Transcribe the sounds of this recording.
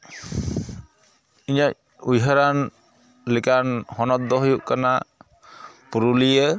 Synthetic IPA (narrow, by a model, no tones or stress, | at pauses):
iɲac̚ | ujɦəɾan | lɛkanhɔnɔt̪̚d̪ɔɦujuʔkana | puɾulijə